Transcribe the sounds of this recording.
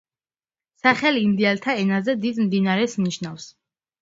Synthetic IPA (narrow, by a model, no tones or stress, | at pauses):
saχɛlimd̪ialt̪ʰaɛnazɛd̪id̪md̪inaɾɛsniʃnafs